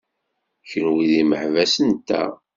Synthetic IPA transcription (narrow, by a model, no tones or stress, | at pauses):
çənwiðiməħvæsənt̪ːæ̰